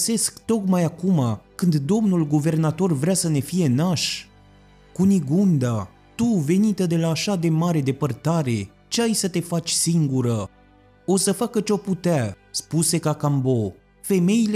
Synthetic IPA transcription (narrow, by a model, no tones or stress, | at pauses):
se̞skt̪o̞kmajakumakɨnd̪d̪o̞mnulɡuve̞rnat̪o̞rvɾeasəne̞fije̞naʃ | kuniɡund̪a | t̪uve̞nit̪əd̪e̞laːʃad̪e̞maɾe̞d̪e̞pərt̪aɾe̞ | t͡ʃeajsət̪e̞fat͡ʃʲsiŋɡuɾə | o̞səfakət͡ʃeoput̪ea | spuse̞kakambo̞ | fe̞me̞ile